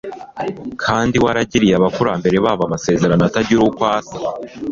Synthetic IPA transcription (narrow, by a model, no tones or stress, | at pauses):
kʰaːndiwaɾaɟiɾijaβakuɾaːmbe̞ɾe̞βaβamase̞ːze̞ɾanataɟiɾukwaːsḁ